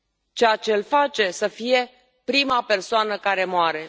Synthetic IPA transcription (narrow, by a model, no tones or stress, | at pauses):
t͡ʃejat͡ʃe̞ɨlfat͡ʃe̞səfije̞ | pɾimape̞rsoanəkaɾe̞moaɾe̞